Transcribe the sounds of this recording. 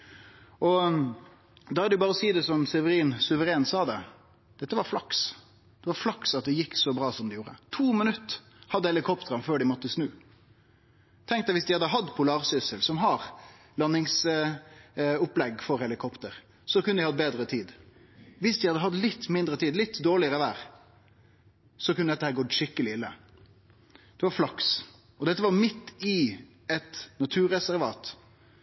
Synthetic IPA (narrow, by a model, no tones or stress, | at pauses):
ʔɔ | d̪ɑhɑd̪ɛjʊbɑːɾəɔsiːd̪ɛsɔmsɛʋəɾiːnsʉʋəɾeːnsɑːd̪ɛ | d̪̥ɛt̪ːəʋɑɾflɑks | d̪̥ɛʋɑɾflɑksɑt̪̚d̪ɛjɪkːsɔbɾɑːsɔmd̪ɛɪjuːɾə̰t̪ʰuːmənʉt̪ː | hɑd̪ːəɛlɪkʰɔpt̪əɾənføːɖɪmɔt̪ːəsnʉː | t̪ʰɛŋkt̪ɛʋɪsd̪ɪhɑd̪ːəɦɑd̪pʰʊlɑːʁsʏsəlsɔmɦɑɾ | lɑnːɪŋs | ʊplɛɡfɔɾhɛlɪkʰɔpt̪əɾ | sɔkʉnːəd̪ɪhɑd̪̚beːd̪ɾət̪ʰiːd̪ | ʋɪsd̪ɪhɑd̪ːəɦɑd̪lɪt̪ːmɪnd̪ɾət̪ʰiːd̪lɪt̪ːd̪oːɭɪəɾəʋæːɾ | sɔkʰʉnəd̪ɛt̪ːəhæːɾɡɔd̪ʃɪkːəlɪɪlːə̰ | d̪̥ɛʋɑɾflɑks | ɔd̪ɛt̪ːəʋɑɾmɪt̪ːɪ | ɛt̪nɑt̪ʰʉːɾɛsæɾʋɑːt̪